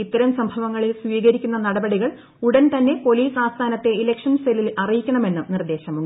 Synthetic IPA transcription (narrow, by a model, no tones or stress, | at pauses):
it̪ːɐɾɐmsɐmbʱɐʋɐŋːɐɭilsʋiːɣɐɾikʲːunːɐnɐɽɐbɐɽiɣɐɭ | uɽɐnt̪ɐnːe̞po̞liːsaːst̪ʰaːnɐt̪ːe̞ilekʂɐnselilɐrijikʲːɐɳɐme̞nːɨnird̪e̞ːɕɐmu